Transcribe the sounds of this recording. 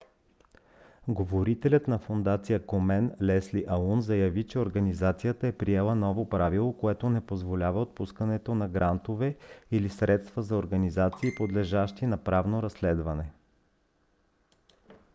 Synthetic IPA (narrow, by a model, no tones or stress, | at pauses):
ɡovoɾit̪ɛlʲət̪nɐfond̪at̪sijəkomɛnlɛsliʔɐlˠunzɐjɐvit͡ʃɛoɾɡɐnizat̪sijət̪əɛpɾiɛlˠənɔvopɾavilˠokoɛt̪onɛpozvolʲavəot̪̚puskɐnɛt̪onɐɡɾʔant̪ovɛilisɾɛt̪st̪vəzɐoɾɡɐnizat̪siːpod̪lɛʒaʃt̪inɐpɾavnoɾɐslɛd̪vɐnɛ